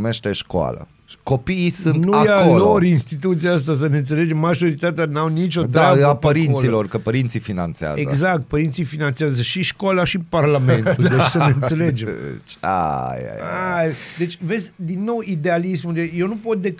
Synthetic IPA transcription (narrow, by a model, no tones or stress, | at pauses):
meʃt̪eʃkoa̰lə̰̥ | ko̞piːsunnuajaolo̞ɾinst̪it̪̬ut̪sijaas̬t̪as̬əneɨnt̪sele̞d͡ʒe̞mːaʒo̞ɾit̪at̪eanawnit͡ʃʲo̞t̪̬ɾeabəapəɾintoslilo̞rkəpəɾint̪sifina̰nt̪sea̰zeɡzakt̪̚pəɾint̪sifinant̪seazəʃiʃkolaʃiparlamẽnud̪et͡ʃsəneɨnse̞led͡ʒet͡ʃa̰ja̰j̰ajd̪e̞t͡ʃʲve̞zʲd̪inːo̞wid̪ealismunjewnupo̞t̪̚d̪e